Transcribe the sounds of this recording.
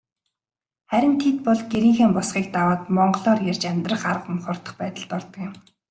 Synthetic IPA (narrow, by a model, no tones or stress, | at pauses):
χæɾʲɪ̆nt̪ʰet̪̚pɔɮɡeɾiːŋxeːmpɔsχiːk̚t̪awaːt̪mɔɴɢɞɮɔːrjært͡ɕamʲt̪rə̆χarəqəmχʊr̥t̪ə̥̆χpæːt̪ə̆ɮt̪ɔrt̪ə̆kɪ̆m